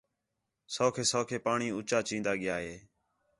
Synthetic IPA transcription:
soːkʰeːsoːkʰeːpaːɳiːʊt͡ʃaːt͡ʃĩːnd̪aːɠɪjaːɦeː

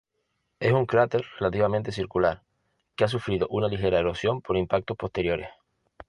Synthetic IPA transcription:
e̞suŋkɾat̪e̞ɾre̞lat̪iβamẽnt̪e̞siɾkulaɾ | keas̬ufɾiðo̞ʔunalixe̞ɾaeɾosjo̞mpo̞ɾimpak̚t̪o̞hpo̞ht̪e̞ɾjo̞ɾe̞̰h

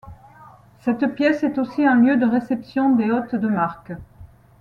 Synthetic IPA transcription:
sɛt̪pjɛsɛt̪osiɛ̃ljød̪əʁesɛpsjɔ̃d̪eɔt̪d̪əmaʁk

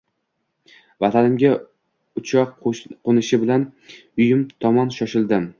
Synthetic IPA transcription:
vat̪ʰanɪmɡʲa | ʊt͡ʃʰɒqqonɪʃɪbɪlanʊjɪmt̪ʰɒmɒnʃɒʃɪld̪ɪm

